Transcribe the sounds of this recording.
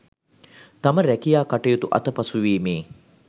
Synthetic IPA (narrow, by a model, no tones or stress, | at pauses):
t̪ɐməɾækijaːkaʈejut̪uʔɐ̰t̪əpɐsuʋiːmeː